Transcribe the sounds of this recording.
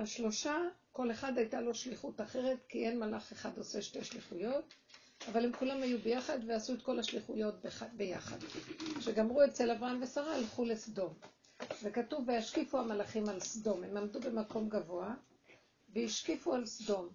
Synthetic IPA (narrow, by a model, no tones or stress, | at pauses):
haʃlo̞ʃako̞le̞χad̪hajtalo̞ʃliχutaχe̞ʁe̞tkie̞nmalaχeχad̪o̞se̞ʃte̞ʃliχujo̞t | avalemkulamhajube̞jaχadveasue̞t̪ko̞laʃliχujo̞t̚babe̞jaχa̰d̪ʃe̞ɡamʁuet͡se̞lavʁaamve̞saʁalχulesdo̞m | ve̞katuvejaʃkifuamalaχimalsdo̞mhe̞mamd̪ube̞mako̞mɡavo̞a | veiʃkifualsdo̞m